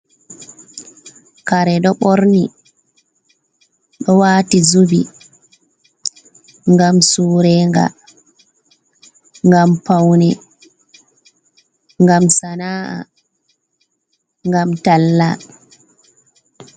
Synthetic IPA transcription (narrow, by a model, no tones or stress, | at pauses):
kaɾɛɗɔɓɔɾni | ɗɔwaːtizubi | ŋɡamsuːɾɛːŋɡa̰ | ŋɡampawnɛ | ŋɡamsanaːʔa̰ | ŋɡamtalːa